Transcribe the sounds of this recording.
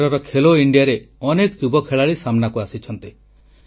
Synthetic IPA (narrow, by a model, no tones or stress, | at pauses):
ɾɔɾɔkʰeloiɳɖijaɾeɔnekɔd͡ʒubɔkʰeɭaɭisamnakuasit͡ʃʰɔnt̪i